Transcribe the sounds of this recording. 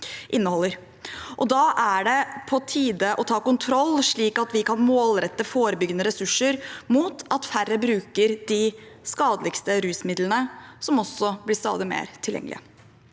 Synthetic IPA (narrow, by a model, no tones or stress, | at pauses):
ʔɪnːəhɔlːəɾ | ʔɔd̪ɑʔæɖɛpʰɔt̪ʰiːd̪əʔɔt̪ʰɑːkʊnt̪ʰɾɔlːʂɭiːkɑt̪ʋɪkɑnmoːlɾɛt̪ːəfoːɾəbʏɡənəɾɛsʉʂəɾmuːt̪ʰɑt̪færːəbɾʉːkəɾd̪ɪ | skɑːd̪əlɪkst̪əɾʉːsmɪd̪lənəsɔmɔsːɔblɪst̪ɑ̰ːd̪əmḛːɾt̪ʰɪljɛ̰ŋːlɪ̰ə